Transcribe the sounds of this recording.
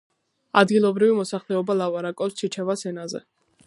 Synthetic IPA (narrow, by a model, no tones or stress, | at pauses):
a̰d̪ɡilˠɔbɾivimɔsaχlɛɔbalˠapʼaɾakʼɔpst͡ʃʰit͡ʃʰɛvasɛnazɛ̰